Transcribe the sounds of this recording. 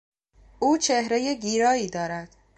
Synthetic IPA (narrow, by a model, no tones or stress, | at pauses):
ʔuːt͡ʃʰehɾeje̞ɡiːɾɒːiːd̪ɒːɾæd̪̥